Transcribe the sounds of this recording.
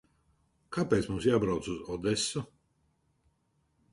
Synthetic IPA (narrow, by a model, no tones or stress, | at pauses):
kapɛːt̪smumsjaːbɾawt̪suzɔd̪ɛsːu